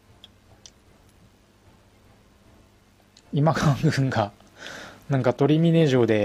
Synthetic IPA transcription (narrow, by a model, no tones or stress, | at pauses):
imakʰãŋɡɯɯ̟̃ŋɡa | nãŋkat̪o̞ɾʲimʲine̞ːʑo̞ːd̪e̞